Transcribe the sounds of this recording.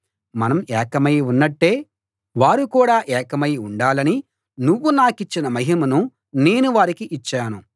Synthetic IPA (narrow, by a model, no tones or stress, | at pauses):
mɐnɐmɛːkɐmɐjunːɐʈːe̞ː | ʋaːɾukuːɽaːʔɛːkɐmɐjuɳɖaːlɐni | nuʋːunaːkit͡ʃːinɐmɐɦimɐnu | ne̞ːnuʋaːɾikiʔit͡ʃːaːnu